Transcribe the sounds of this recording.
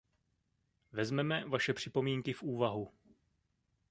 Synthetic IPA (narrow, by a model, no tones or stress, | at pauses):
vɛzmɛmɛvaʃɛpr̝̥ɪpo̞miːŋkɪfʔuːvaɦu